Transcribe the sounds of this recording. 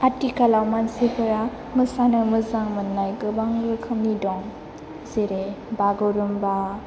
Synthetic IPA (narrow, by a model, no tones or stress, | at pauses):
atikalawmansipʰɯɾa | mɯsanɯmɯzaŋmɯnːajɡɯbaŋɾɯkʰɯmnidɔŋ | zeɾe | baɡɯwɾɯmba